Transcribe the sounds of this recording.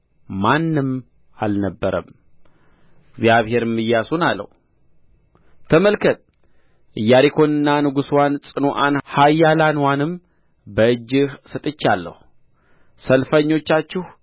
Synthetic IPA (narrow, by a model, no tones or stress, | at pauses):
manːɨm | alnəbːəɾə̰m | ɨɡzjaβhe̞ɾɨmːɨjːasunalːə̰h | t̪ʰəməlkʰət̪̚ | ʔɨjːaɾikʰo̞nɨnːanɨɡuswansʼɨnoʔanhajːalanwanɨm | bəɨd͡ʒːɪhsɨt̪ʼɨt͡ʃːalːə̰hu | səlfəɲːo̞t͡ʃːat͡ʃːɪh